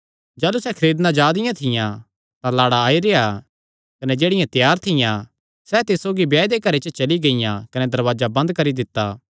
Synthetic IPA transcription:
d͡ʒaːlusɛkʰɐɾeːd̪nãd͡ʒaːd̪ɪjãt̪ʰɪjã | t̪ãlaːɽaːiɾea | kɐned͡ʒeːɽɪjãt̪jaːɾt̪ʰɪjã | sɛt̪ɪsoːɡibjaːd̪ekɐɾet͡ʃət͡ʃɐliɡɐɪjãkɐnɛd̪ɐɾʋaːd͡ʒabɐ̃nd̪̚kɐɾid̪ɪt̪ːaː

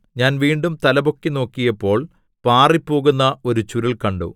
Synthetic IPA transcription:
ɲaːnʋiːɳɖumt̪ɐlɐbo̞kːino̞ːkːijɐpːo̞ːɭ | paːripːo̞ːɣunːɐo̞ɾut͡ɕuɾɐlkɐɳɖo̰

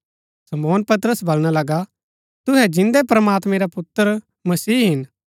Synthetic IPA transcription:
sɐmɔːnpɐt̪əɾəsbɐlɽ̃alɐɡa | t̪ʊɦɛd͡ʒɪ̃nd̪ɛpɾɐmaːt̪mẽɾapʊt̪ːəɾ | mɐsiːɦɪn

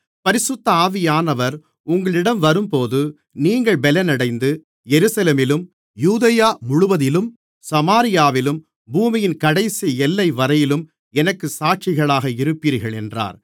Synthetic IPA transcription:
pɐɾɪsɯt̪ːɐaːʋɪjaːnɐʋɐɾ | ʊŋɡɐɭɪɽɐmʋɐɾɯmpoːðɯ | niːŋɡɐɭbɛlɛnɐɽɐɪnd̪ɯ | jɛɾɯsɐleːmɪlɯm | juːðɐjaːmʊɻʊʋɐðɪlɯm | sɐmaːɾɪjaːʋɪlɯm | buːmɪjɪnkɐɽɐɪsiɛlːɐɪʋɐɾɐjɪlɯm | ɛnɐkːɯsaːʈ̚t͡ʃɪɣɐɭaːɣɐɪɾɯpːiːɾɣɐɭɛndra̰ːɾ

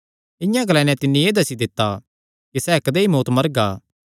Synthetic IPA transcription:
ɪ̃jãɡɐlɛ̃ːnɛ̃t̪ɪnːĩeːd̪ɐsid̪ɪt̪ːa | kisɛːkɐd̪eːimoːt̪mɐɾɡaː

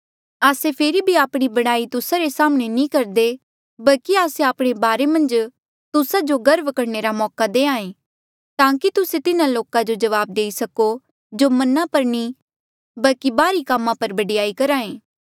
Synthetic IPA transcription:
aːsepʰeːɾibʱiaːpɽ̃ibɐɽ̃aːit̪ʊsaɾesaːməɽ̃enĩkɐɾd̪e | bɐlkiaːseaːpɽ̃ebaːɾemɐ̃nd͡ʒ | t̪ʊsad͡ʒoɡɐɾbkɐɽneɾamɔːkad̪eːãːẽː | t̪ãːkit̪ʊset̪ɪnãloːkãd͡ʒod͡ʒɐʋaːb̚d̪eːisɐko | d͡ʒomɐnapɐɾnĩ | bɐlkibaːɾikamːãpɐɾbɐɖɪjaːikɐɾaːẽː

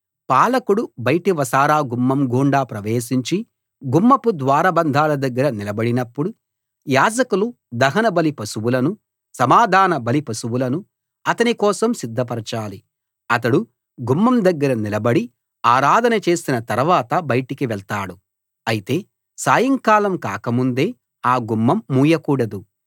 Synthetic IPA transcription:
paːlɐkuɽubɐjʈiʋɐsaːɾaːɡumːɐmɡʱuːɳɖaːpɾɐʋeːʃiɲt͡ʃi | ɡumːɐpud̪ʋaːɾɐbɐnd̪ʱaːlɐd̪ɐɡːɐɾɐnilɐbɐɽinɐpːuɽu | jaːd͡ʒɐkulu | d̪ɐɦɐnɐbɐlipɐsuwulɐnu | sɐmaːd̪ʱaːnɐbɐlipɐsuwulɐnu | ɐt̪ɐnikɔːsɐmsid̪ʱːɐp̬ɐɾɐt͡ʃaːli | ɐt̪ɐɽu | ɡumːɐmd̪ɐɡːɐɾɐnilɐbɐɽi | aːɾaːd̪ʱɐnɐt͡ʃe̞ːsinɐt̪ɐɾuʋaːt̪ɐbɐjɐʈikiʋɛɭt̪aːɽu | ɐjit̪e̞ː | saːjɐŋkaːlɐmka̰ːkɐmund̪e̞ː | aːɡumːɐmːuːjɐkuːɽɐd̪u

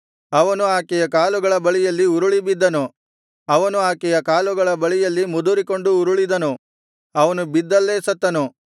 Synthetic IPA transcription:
ɐʋɐnuaːkɛjɐkaːluɡɐɭɐbɐɭijɐlːiuɾuɭibid̪ːɐnu | ɐʋɐnuaːkɛjɐkaːluɡɐɭɐbɐɭijɐlːimud̪uɾiko̞ɳɖuːɾuɭid̪ɐnu | ɐʋɐnubid̪ːɐlːeːsɐt̪ːɐnu

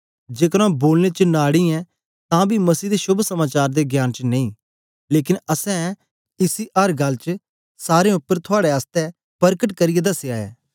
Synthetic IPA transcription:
d͡ʒeːkəɽ̃ãːboːlnet͡ʃənaːɽiɛ̃ | t̪ãːbʱimɐsiːd̪eʃʊbʱsɐmaːt͡ʃaːɾd̪eɡjaːnt͡ʃənẽĩː | leːk̬ɪnəsɛ̃ | ɪsiʔɐɾɡɐlt͡ʃə | saːɾẽʊpːəɾt̪ʰʊaːɽeaːst̪ɛ | pɐɾkəʈkɐɾɪjed̪ɐseaːḛː

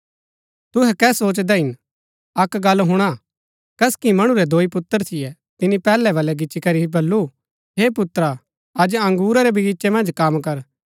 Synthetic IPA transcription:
t̪ʊɦɛkɛːsoːt͡ʃd̪ɛɦɪn | ɐkɡɐlɦʊɽ̃a | kɐskimɐɽ̃uɾɛd̪oːipʊt̪ːəɾt̪ʰɪjɛ | t̪ɪnipɛːlɛʋɐlɛɡɪt͡ʃikɐɾiibɐlːu | ɦeːpʊt̪ɾa | ɐd͡ʒɐ̃ŋɡuːɾaɾɛbʱiɡɪʃɛmɐ̃nd͡ʒkɐmkɐɾ

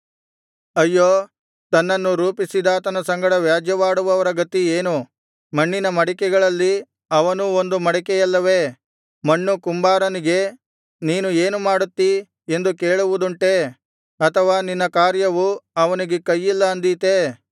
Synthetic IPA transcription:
ɐjːoː | t̪ɐnːɐnːuɾuːpisid̪aːt̪ɐnɐsɐŋɡɐɽɐʋjaːd͡ʒjɐʋaːɽuʋɐʋɐɾɐɡɐt̪ieːnu | mɐɳːinɐmɐɽikɛɡɐɭɐlːi | ɐʋɐnuo̞nd̪umɐɽɛkɛjɐlːɐʋe̞ː | mɐɳːukumbaːɾɐniɡe̞ | niːnue̞ːnumaːɽut̪ːi | e̞nd̪ukeːɭuʋud̪uɳʈe̞ | ɐt̪ʰɐʋaːninːɐkaːɾjɐʋuɐʋɐniɡe̞kɐjːilːɐɐnd̪it̪e

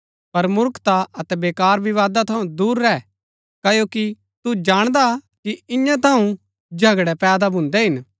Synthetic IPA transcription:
pɐɾmʊɾkt̪aɐt̪ɛbeːkaːɾbɪʋaːd̪at̪ʰɐũd̪uːɾːɛː | kɐjoːki | t̪ud͡ʒaːɽ̃d̪a | kiɪjãt̪ʰɐũ | d͡ʒʱɐɡɽɛpɛːd̪abʱʊ̃nd̪ɛɦɪn

